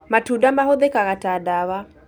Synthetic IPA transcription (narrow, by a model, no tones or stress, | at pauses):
matudamahoðekaɣatadawa